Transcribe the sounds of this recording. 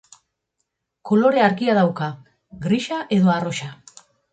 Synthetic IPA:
ko̞lo̞ɾe̞aɾkiaðawka | ɡɾiʃaʔe̞ðo̞aro̞ʃa

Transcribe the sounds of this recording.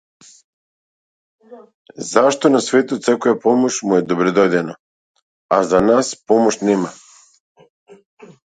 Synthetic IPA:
zaʃt̪onasʋeːt̪ut̪sekujepomot͡ɕmujed̪obɾed̪od̪eno | azanaspomot͡ɕnema

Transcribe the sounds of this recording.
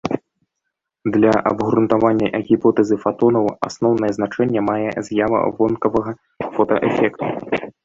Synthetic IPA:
d̪lʲɐʔɐ̰bɣɾunt̪avanʲːɐʔɐɣʲipɔt̪ɛzɨfat̪ɔnɐwa̰snɔwnɐjɛznat͡ʂɛnʲːɛmajɛ̰zʲjavɐ̰vɔnkɐvɐɣɐ | fɔt̪ɐʔɛfʲɛkt̪ṵ

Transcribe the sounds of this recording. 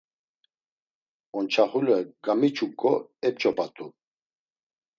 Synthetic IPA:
ɔnt͡ʃʰaχulɛɡamit͡ʃʰukʼːɔɛp̚t͡ʃʼɔpʼat̪ʼu

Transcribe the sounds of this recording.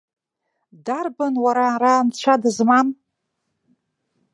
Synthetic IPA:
darbanwaɾarant͡ɕʷʰadɨzman

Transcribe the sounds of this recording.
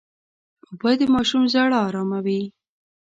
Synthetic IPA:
bəd̪əmɑʃumzaɽɑɾɑmawi

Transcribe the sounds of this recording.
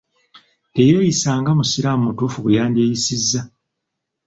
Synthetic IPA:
te̞jeːjisaːŋɡamusiɾamumutuːfukujaːndeːjisizːa

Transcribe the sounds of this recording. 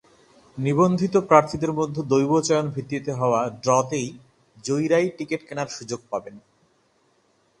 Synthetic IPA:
nibond̪ʱit̪opɾaɾt̪ʰid̪eɾmod̪ʱːed̪ojbot͡ɕajonbʱit̪ːit̪eɦɔoaɖɾɔt̪ej | d͡ʑojɾajʈikeʈkenaɾʃud͡ʑoɡ̚paben

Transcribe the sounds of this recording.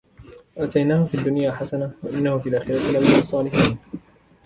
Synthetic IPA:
ʔat̪ajnaːhʊfiːd̪ːʊnjaːħasanawaʔɪnːahʊfiːlʔaːxɪɾat̪ɪlamːɪnɑsˤːɑːlɪħiːn

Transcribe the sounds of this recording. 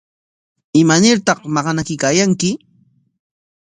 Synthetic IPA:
ɪmanɪɾt̪ɑqmɑɢɑnakɪkaːjaŋkɪ

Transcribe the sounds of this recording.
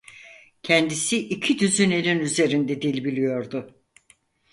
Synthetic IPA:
cʰɛnd̪isiʔicʰid̪yzynenʲinyze̞ɾind̪ɛd̪ilʲbilʲijo̞ɾd̪ʊ

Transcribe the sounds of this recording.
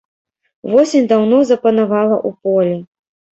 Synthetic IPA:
vɔsʲɪnʲd̪awnɔzɐpɐnavalˠɐʔupɔlʲi

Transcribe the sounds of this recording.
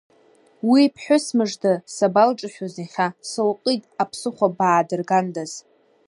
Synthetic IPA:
wipʰħʷᶣʊsmɨʐdɨsabalʈ͡ʂʼaʃʲᶣaziχʲasɨlqʼitʼapʰsɨχʷabaːdɨrɡandaz̥

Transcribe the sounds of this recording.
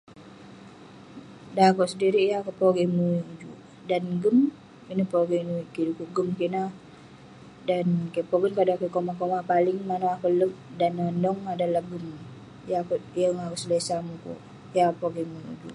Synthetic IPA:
dakoʔsədiɾijakoʔpoɡemuud͡ʒuʔ | danɡəm | inəpoɡinukidukuʔɡəmkiʔna | dankipoɡənkadakəkomakomapalɪŋmanaakələk̚danandɔŋadalahɡəm | jakojaŋaɾʊslesamuko̰ʔ | jakpoɡemuṵd͡ʒṵʔ

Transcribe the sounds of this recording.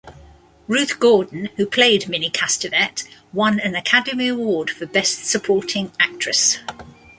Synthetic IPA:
ɹʉˑθɡ̥ɔːdⁿn̩hʉpʰl̥eɪdmɪnikʰastəvɛtwʌ̃nə̃nəkʰadəmiəwɔːd̥fəbɛstsəpʰɔˑtʰɪ̃ŋak̚t͡ʃɹ̥əs

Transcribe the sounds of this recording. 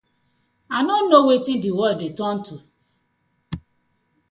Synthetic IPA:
anonowetĩn̩diwɔdetɔn̩tu

